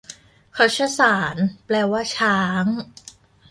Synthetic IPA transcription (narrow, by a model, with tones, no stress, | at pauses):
kʰa˦˥wt͡ɕʰa˥˩saː˩˦nplɛː˧waː˥˩t͡ɕʰaː˦˥ŋ